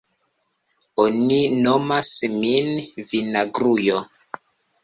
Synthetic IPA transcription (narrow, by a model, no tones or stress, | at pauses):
onino̞masminvinaɡɾujo